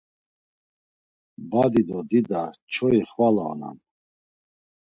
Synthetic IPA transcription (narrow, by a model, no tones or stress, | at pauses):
bad̪id̪ɔd̪id̪at͡ʃʰɔiχvala̰ːna̰n